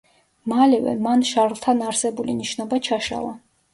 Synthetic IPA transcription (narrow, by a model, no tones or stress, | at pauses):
malɛvɛ̰manʃaɾlˠt̪ʰanaɾsɛbuliniʃnɔbat͡ʃʰaʃa̰lˠa